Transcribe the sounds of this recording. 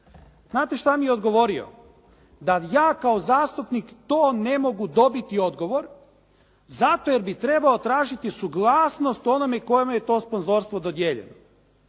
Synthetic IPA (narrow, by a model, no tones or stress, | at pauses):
znaːt̪e̞ʃt̪amijeo̞d̪ɡo̞ʋo̞ɾio̰ | d̪ajaːkaozaːst̪upnikt̪o̞ːne̞mo̞ɡud̪o̞bit̪io̞d̪ɡo̞ʋo̞ɾ | zat̪oje̞ɾbit̪ɾe̞baot̪ɾaːʒit̪isuɡlˠaːsnost̪o̞nomeko̞jemejet̪o̞ːspo̞nzo̞ːɾst̪ʋo̞d̪o̞d̪jeːʎḛno̰